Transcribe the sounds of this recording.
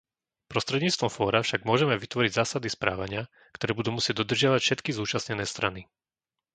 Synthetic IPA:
pɾɔst̪ɾɛd̪ɲiːt͡st̪ʋɔmfɔːɾafʃaɡmʊɔʒɛmɛʋit̪ʋɔɾiɟzaːsad̪ispɾa̰ːʋaɲɪa | kt̪ɔɾɛːbud̪uːmusɪɛɟ̚d̪ɔd̪r̩ʒɪaʋacfʃɛt̪kizuːt͡ʃasɲɛnɛːst̪ɾani

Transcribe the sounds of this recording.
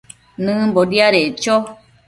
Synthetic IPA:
nɨ̃mbodiaɾet͡ʃo

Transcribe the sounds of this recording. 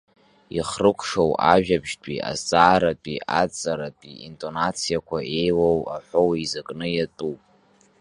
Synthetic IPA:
ḭχrɨkʷʰʂowʔaʒᶣabʒtʷʰʼia̰t͡sʼaːɾatʼiat͡sʼaɾatʼiintʼo̞nat͡sʰijakʷʰaʔe̞jwowaħʷowizakʼnɨjatʼupʼ

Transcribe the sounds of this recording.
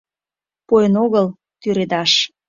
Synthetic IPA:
pojənoɣəl | t̪yɾed̪ɑʃ

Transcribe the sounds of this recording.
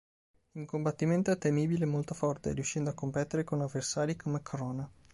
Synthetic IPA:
iŋkombat̪ːiment̪oɛt̪ːemiːbilemːolt̪ofɔrt̪ḛɾiuʃːɛnd̪oakːompɛt̪ːeɾekonavːersaːɾikʰomekʰoɾɔːna

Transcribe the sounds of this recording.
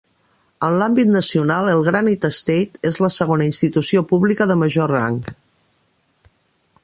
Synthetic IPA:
ənlambit̪nəsiunalˠəlˠɣɾanit̪əst̪ejt̪ezləsəɣonəinst̪it̪usiopuβlikəðəməʒora̰ŋk

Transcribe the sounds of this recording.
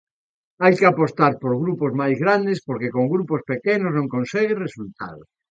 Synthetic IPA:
ajkeapost̪aɾpoɾɣɾupozmajzɣɾand̪espoɾkekoŋɡɾupospekenoznõŋkõnseɣeresult̪a̰ðo

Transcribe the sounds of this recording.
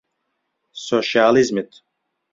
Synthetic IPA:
soʃalizmit̪

